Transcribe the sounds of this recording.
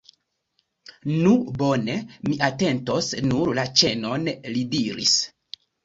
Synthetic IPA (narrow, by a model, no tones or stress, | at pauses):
nubo̞ne̞miʔate̞nto̞snuɾlat͡ʃe̞no̞nlidiɾḭs